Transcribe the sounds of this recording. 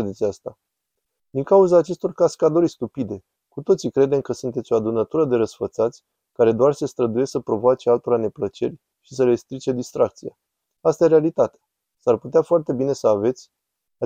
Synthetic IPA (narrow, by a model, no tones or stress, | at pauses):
ed̪e̞t̪sʲast̪a | d̪iŋkauzaːt͡ʃe̞st̪o̞rkaskad̪o̞ɾʲst̪upid̪e̞ | kut̪o̞t̪sikɾe̞d̪e̞mkəsunt̪et̪sʲo̞ad̪unət̪uɾəd̪e̞ɾəsfət̪sat̪sʲ | kaɾe̞d̪oarsest̪ɾəd̪uje̞səpɾo̞voat͡ʃealt̪oɾane̞plət͡ʃe̞̰rʲ | ʃisəɾe̞st̪ɾit͡ʃe̞d̪ist̪ɾʔak̚t̪sija̰ | ast̪aje̞ɾe̞alit̪at̪ea | sarput̪eafoart̪e̞bine̞səave̞t̪sʲ | a